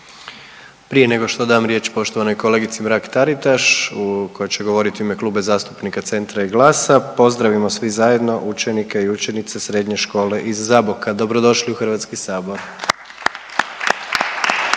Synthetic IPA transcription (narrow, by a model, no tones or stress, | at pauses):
pɾije̞ne̞ɡo̞ʃt̪o̞d̪aamɾje̞t͡ɕpo̞ʃt̪o̞ʋano̞jko̞le̞ːɡit̪simɾakt̪aɾit̪aʃuko̞jet͡ɕe̞ɡo̞ʋo̞ɾit̪iime̞kluːbezaːst̪u̥pnikat̪se̞nt̪ɾaiɡlˠaːsapo̞zd̪ɾaʋimo̞sʋizaje̞d̪no̞ʔut͡ʃe̞nikeiut͡ʃe̞nit̪sesɾe̞d̪ɲe̞ʃko̞ːle̞ʔizːabokad̪o̞bɾo̞d̪o̞ʃliuxr̩ʋat̪skisaːbo̞ɾ